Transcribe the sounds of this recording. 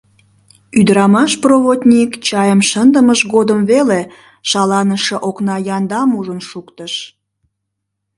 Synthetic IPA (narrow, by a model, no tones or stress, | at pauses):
yd̪əɾɑmɑʃproβot̪ʲnʲikt͡ɕɑjəmʃənd̪əməʃɣod̪əmβele | ʃɑlɑnəʃəʔoknɑjɑnd̪ɑmuʒənʃukt̪əʃ